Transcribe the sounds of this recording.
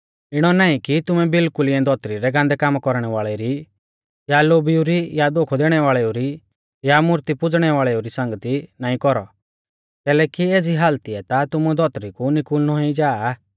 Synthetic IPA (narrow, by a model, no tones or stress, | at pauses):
ɪɽ̃ɔnaːĩkit̪ʊmɛbɪlkʊliɛ̃d̪ʱɔt̪ɾiɾɛɡãːnd̪ɛkaːmkɔɾɽ̃ɛʋaːɭɛɾi | jaloːbiuɾijad̪okʰɔd̪eːɽ̃ɛʋaːɭɛuɾi | jamʊɾt̪ipʊd͡zɽ̃ɛʋaːɭɛuɾisãŋɡət̪inaːĩkɔɾɔ̰ | k̪ɛːlɛːkieːd͡ziɦaːlt̪iɛt̪at̪ʊmud̪ɔt̪ɾikunɪkulnɔɦĩd͡ʒaː